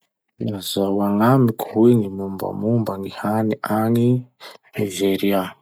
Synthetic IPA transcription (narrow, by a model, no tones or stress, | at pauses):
inazawaŋamikʲueŋimumba̰mumbaŋihaniʔaŋi | aʒeɾia